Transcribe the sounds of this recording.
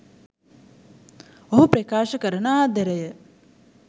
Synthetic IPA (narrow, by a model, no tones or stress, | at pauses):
oɦupɾɐkaːʃəkəɾənaːd̪eɾəjə